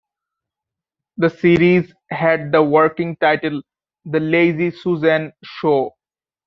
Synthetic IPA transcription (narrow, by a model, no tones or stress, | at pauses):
d̪əsiːɾiːz | ɦɛɖ̚d̪əʋəɾkɪ̃ŋʈaɪʈəl | d̪əleːɪzisuːzɛ̃nʃoː